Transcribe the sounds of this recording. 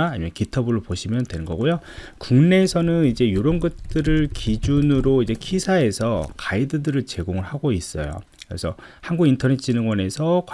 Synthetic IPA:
ɲimjʌnkitʰʌbɯɾɭopoɕʰimjʌntwe̞nɡʌ̰ɡujo | kuŋne̞sʰʌnɯnid͡ʑe̞joɾʌnɡʌt̚t͈ɯɾɯɭkid͡ʑunɯɾoid͡ʑe̞kʰisʰae̞sʰʌkaidɯdɯɾɯɭt͡ɕe̞ɡoŋɯɭhaɡois͈ʌ̰jo̰ | kɯɾe̞̰sʰʌhanɡuɡintʰʌnet͡ɕʰinɯŋɡwʌne̞sʰʌkw

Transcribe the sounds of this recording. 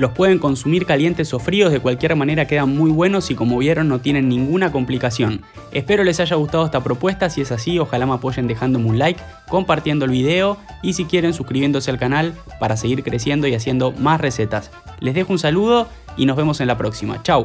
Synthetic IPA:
lo̞spwe̞ð̞e̞ŋko̞nsumiɾkalje̞nt̪e̞so̞fɾio̞zð̞e̞kwalkjeɾmane̞ɾake̞ðanmujβwe̞no̞siko̞moβ̞je̞ɾo̞nːo̞t̪je̞nẽ̞nːĩŋɡunako̞mplikasjo̞n | ehpe̞ɾo̞le̞saʒaɣust̪að̞o̞est̪apɾo̞pwe̞st̪asie̞sasio̞xalamapo̞ʒe̞nd̪e̞xand̪o̞munlajkː | o̞mpaɾt̪je̞nd̪oelβið̞e̞o̞ | isikje̞ɾe̞nsuskɾiβjend̪o̞s̬ealkanalpaɾase̞ɣiɾkɾe̞sje̞nd̪o̞iasje̞nd̪o̞masre̞se̞t̪as | le̞zðe̞xounsaluð̞o̞ | inozβ̞e̞mo̞se̞nlapɾo̞ksima̰t͡ʃaw

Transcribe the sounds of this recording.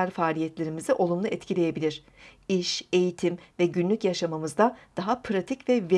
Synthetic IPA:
aɾfaːlʲijɛt̪lʲe̞ɾimiziʔo̞lˠumlˠuɛt̪cʰilʲe̞je̞bilʲiɾ̝̥ | iʃe̞jit̪ʰimvɛɟynlʲycjaʃamamɯzd̪ad̪̥aɦapʰɾat̪ʰicvɛve

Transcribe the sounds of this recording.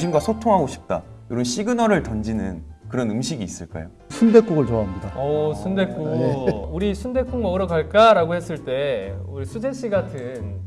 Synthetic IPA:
ɕʰinɡwasʰotʰoŋɦaɡoɕʰi̥p̚t͈a̰joɾʌnɕ͈iɡɯnʌɾɯɭtʌnd͡ʑinɯnkɯɾʌnɯmɕʰiɡiːs͈ɯɭk͈a̰ejo̰ | sʰunde̞k͈uɡɯɭt͡ɕoaɦamɲidaʌsʰunde̞k͈uuɾisʰunde̞k͈uŋmʌɡɯɾʌɡaɭk͈aɾaɡohes͈ɯɭt͈e̞uɾisʰudʰe̞ɕ͈iɡatʰɯn

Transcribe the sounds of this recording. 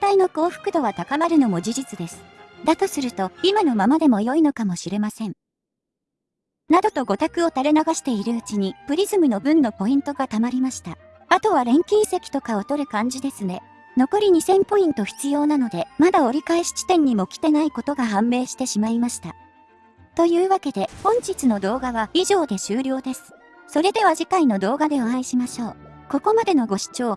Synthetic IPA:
t̪aino̞ko̞ːɸɯ̥kɯ̟d̪o̞βat̪akamaɾɯ̟no̞mo̞d͡ʑiʑit͡sɨd̪e̞sɨ̥d̪at̪o̞sɨɾɯ̟t̪o̞imano̞mamad̪e̞mo̞jo̞ino̞kamo̞ɕiɾe̞masẽ̞ɴ | nad̪o̞t̪o̞ɡo̞t̪akɯ̟o̞t̪aɾenaɡaɕi̥t̪e̞iɾɯ̟ɯ̟t͡ɕiɲ̟ipɯ̟ɾʲizɨmɯno̞bɯ̟̃nːo̞po̞ĩnt̪o̞ɡat̪amaɾʲimaɕi̥t̪a | at̪o̞β̞aɾẽ̞ŋkʲisekʲi̥t̪o̞kao̞t̪o̞ɾɯ̟kãɲ̟d͡ʑid̪e̞sɨne̞ | no̞ko̞ɾʲiɲ̟isẽ̞mpo̞ĩnt̪o̞çʲi̥t͡sɨjo̞ːnano̞d̪e̞mad̪ao̞ɾʲikaeɕi̥t͡ɕi̥t̪ẽ̞ɲ̟ːimo̞kʲi̥t̪e̞naiko̞t̪o̞ɡaɦãmbe̞ːɕi̥t̪e̞ɕimaimaɕi̥t̪a | t̪o̞jɯ̟ːβake̞d̪e̞hõ̞ɲ̟t͡ɕit͡sɨno̞d̪o̞ːɡaβaiʑo̞ːd̪e̞ɕɨːɾʲo̞ːd̪e̞sɨ̥ | so̞ɾe̞d̪e̞β̞aʑikaino̞d̪o̞ːɡad̪e̞oãiɕimaɕo̞ː | ko̞ko̞mad̪e̞no̞ɡo̞ɕi̥t͡ɕo̞ː

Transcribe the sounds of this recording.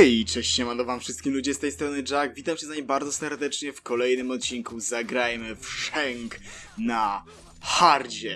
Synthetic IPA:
jit͡ʂɛɕt͡ɕɛmanɔvamfʂɨst̪kʲimlud͡ʑɛst̪ɛjst̪ɾɔnɘd͡ʐaɡvʲit̪amt͡ɕɛzaɲimbaɾd̪zɔsɛɾd̪ɛt͡ʂɲɛfkɔlɛjnɘmɔt̪̚t͡ɕiŋkuzaɡɾajmɘfʂɛŋkna | xaɾd͡ʑɛ

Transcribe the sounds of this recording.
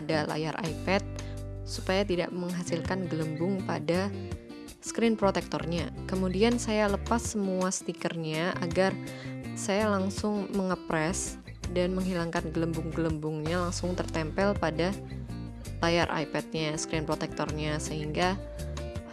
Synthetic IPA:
dala̰jarʔa̰ipɛt̪̚supajat̪ida̰ʔməŋɦasilkanɡələmbʊŋpada | skɾɪnpɾot̪ɛk̚t̪ɔ̰rɲakəmudiansajaləpasːəmuasə̥t̪ikərɲaʔaɡarsajalaŋsʊŋməŋəpɾɛs | danməŋɦilaŋkanɡələmbʊŋɡələmbʊŋɲalaŋsʊŋt̪ərt̪ɛmpɛlpada | lajarʔa̰jpɛt̪̚ɲaskɾɪnpɾot̪ɛk̚t̪ɔrɲasəɦiŋɡa

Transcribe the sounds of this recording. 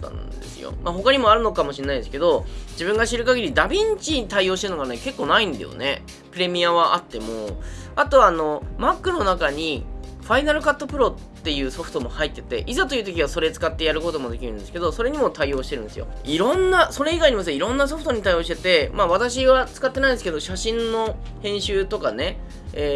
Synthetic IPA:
t̪a̰nd̪e̞̰sɨ̰jo̰maɦo̞kaɲ̟imo̞aɾɯ̟no̞kamo̞ɕĩnːaid̪e̞sɨ̥ke̞d̪o̞d͡ʑibɯ̟̃ŋɡaɕiɾɯ̟kaɡʲiɾʲid̪abʲĩɲ̟t͡ɕit̪aio̞ːɕit̪e̞ɯ̟noɡaneke̞kːo̞ːnaĩnd̪ḛjo̰ne̞̰ | pɯ̟ɾe̞mʲiaβaʔat̪ːe̞moat̪o̞βaːno̞makːɯ̟no̞nakaɲ̟iɸainaɾɯ̟kat̪ːopɯ̟ɾo̞t̪ːe̞jɯ̟ːso̞ɸɯ̟̥t̪o̞mo̞hait̪ːe̞t̪e̞̰ʔizat̪o̞jiɯ̟ːt̪o̞kʲiβ̞aso̞ɾe̞t͡sɨ̥kat̪ːe̞jaɾɯ̟ko̞t̪o̞mo̞d̪e̞kʲiɾɯ̟̃nd̪e̞sɨ̥ke̞d̪o̞so̞ɾe̞ɲ̟imo̞t̪aio̞ːɕi̥t̪e̞ɾɯ̟nd̪e̞sɨjo̞̰iɾõ̞nːaso̞ɾe̞iɡaiɲ̟imas̬ɨeiɾõ̞nːas̬o̞ɸɯ̟t̪o̞ɲ̟it̪aijo̞ːɕi̥t̪e̞t̪e̞maβat̪aɕ̬iβat͡sɨ̥kat̪ːe̞naĩnd̪eɨ̥ke̞d̪o̞ɕaɕĩnːo̞ | hẽ̞ɰ̃ɕɨːt̪o̞kane̞ | e

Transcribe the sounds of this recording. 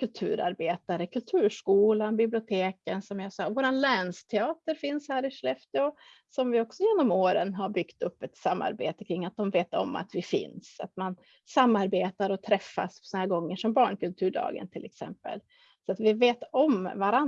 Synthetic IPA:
kʰɵlt̪ʰʉ̟̰ːɾa̰ɾbeːt̪aɾəkʰɵlt̪ʰʉ̟ːʂkuːlanbɪblɪʊt̪ʰeːkənsɔmjasɔvoːɾanlɛːɳst̪ʰɛɑːt̪əɾfɪnshæːɾɪʂlɛft̪ɪɔ | sɔmvɪɔksɔjeːnɔmoːɾənɦaɾbʏkt̪ɵpːɛt̪samːa̰ɾbḛːt̪əkʰɾɪŋːat̪̚d̪ɔmveːt̪ɔ̰mːa̰t̪vɪfɪ̰nsa̰t̪man | samːaɾbeːt̪aɾɔt̪ʰɾɛfːa̰spsɔnhæːɾɡɔŋːəʂɔmbɑːɳkɵlt̪ʰʉːɖɑ̰ːɡə̰nt̪ʰɪlʔɛ̰ksɛ̰mpə̰l | sɔat̪vɪveːt̪ɔmvaɾa

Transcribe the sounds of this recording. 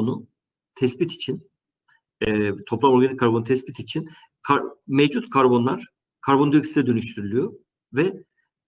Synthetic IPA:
nu | t̪ʰɛsbit̪ʰi̥t͡ʃʰin | t̪ʰo̞plˠamo̞ɾɡanikʰːaɾbonut̪ʰɛsbit̪ʰit͡ʃʰin | kʰamɛvd͡ʒut̪kʰaɾbo̞nlˠaɾ̥ | kʰaɾbo̞nd̪yksid̪ɛd̪ø̞nyʃt̪ʰyɾylʲyjo | vɛ

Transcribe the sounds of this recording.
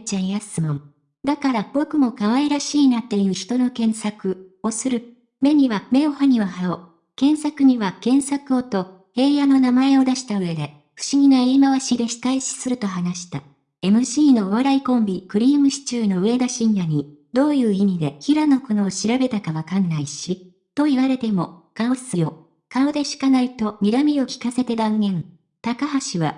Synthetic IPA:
t͡ɕaijasɨmõm | d̪akaɾabo̞kɯ̟mo̞kaβaeɾaɕiːnat̪e̞jɯ̟ːçi̥t̪o̞no̞kẽ̞ɰ̃sakɯ̟o̞sɨɾɯ̟ | me̞ɲ̟iβame̞ohaɲ̟iβaɦao | kẽ̞ɰ̃sakɯ̟ɲ̟iβakẽ̞ɰ̃sakɯ̟o̞t̪o̞ | he̞ːjano̞namae̞o̞d̪aɕi̥t̪aɯ̟e̞d̪e̞ | ɸɯ̟̥ɕiɡʲinoeimaβaɕid̪e̞çi̥t̪aiɕi̥sɨɾɯ̟t̪o̞ɦanaɕi̥t̪a | e̞mɯ̟ɕiːno̞ːβaɾaikõ̞mbʲikɯ̟ɾʲiːmɯ̟ɕi̥t͡ɕɨːno̞ɯ̟e̞d̪aɕĩɰjaɲ̟id̪o̞ːjɯ̟ːimʲid̪e̞çiɾano̞kono̞ːɕiɾabe̞t̪akaβakanːaiɕi | t̪o̞iβaɾe̞t̪e̞mo̞ɡ̥aosɨjo̞ | kaod̪e̞ɕi̥kanait̪o̞mʲiɾamʲio̞kʲi̥kase̞t̪e̞d̪ãŋɡẽ̞ɴ | t̪akaɦaɕiβa

